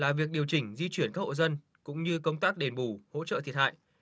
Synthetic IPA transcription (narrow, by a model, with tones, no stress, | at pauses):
laː˨˩vi˨˩ək̚ɗi˨˩əwt͡ɕï˧˩ŋ̟zi˧t͡ɕwi˧˩ənka˦˥kho̰˧˨zə˧n | kʊ̰˧˥ŋ͡mɲɨ˧kə˧wŋ͡mt̪aː˦˥k̚ɗe˨˩nɓu˧˩ho̰˧˥t͡ɕə̰ː˧˨t̪ʰi˨˩ət̚ha̰ː˧˨j